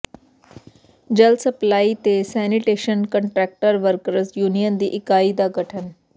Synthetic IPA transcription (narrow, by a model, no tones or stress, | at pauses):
d͡ʒəlsəplaːit̪esɛniʈeːʃənkəɳʈɾɛːk̚ʈəɾʋəɾkəɾəsjuːnijənd̪iːʔɪkaːid̪aɡʱəʈʰən